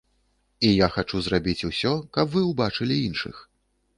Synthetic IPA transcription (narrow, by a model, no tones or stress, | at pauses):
ijaxat͡ʂuzrabʲit͡sʲusʲɔkɐpvɨwbat͡ʂɨlʲiinʂɨ̰x